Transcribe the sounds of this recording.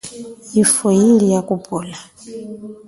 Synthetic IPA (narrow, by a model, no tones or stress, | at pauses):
jifojilijakubʼuːla